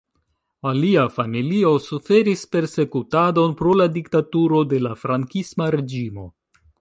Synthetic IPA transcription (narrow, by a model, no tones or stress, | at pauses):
aliafamilio̞sufe̞ɾispe̞ɾse̞kutado̞npɾo̞ladiktatuɾo̞de̞lafɾaŋkismaɾe̞d͡ʒimo̞̰